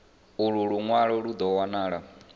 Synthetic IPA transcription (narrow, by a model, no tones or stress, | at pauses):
uɺuɺuŋwaɺɔɺud̪ɔwanaːɺa